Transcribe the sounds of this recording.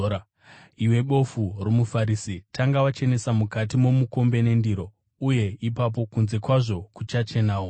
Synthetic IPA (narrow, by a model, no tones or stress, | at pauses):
iwe̞ɓo̞furomufaɾisitʰaŋɡawat͡ʃe̞ne̞samukatimomuko̞mbe̞ne̞ndiɾo̞ | uje̞ipap̬o̞kunze̞kwaʐo̞kut͡ʃat͡ʃe̞naːwo